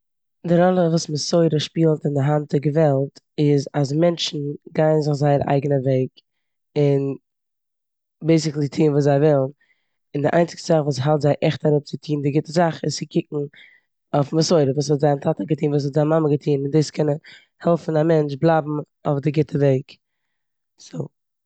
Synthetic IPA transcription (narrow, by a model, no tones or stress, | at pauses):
dɪɾɔlˠəvuːsməsɔɪɾəʃpiːlˠtɪndɪɦant̚ɪɡəvɛlˠt | ɪzas̬mɛnt͡ʃn̩ɡaɪənzɪχzaɪəɾʔa̰ɪɡənəveɪk | ɪn | beɪs̬ɪklˠɪtʰiːnvuːszaɪvɪlˠn | ɪndɪʔa̰ɪnt͡sɪ̥kstəzaχvuːs̬ɦalˠtzaɪʔɛχtaɾʊp̚t͡sɪtʰiːndɪɡɪtəzaχɪssɪkʰɪk̚ŋ̩ | oʊfməsɔɪɾəvuːshɔtzaɪntʰatəɡətʰiːnvuːs̬hɔtzaɪmaməɡətʰiːnɪndeɪskʰɛnən | hɛlˠfn̩amɛnt͡ʃblˠabm̩ | oʊfdɪɡɪtʰəveɪk | soː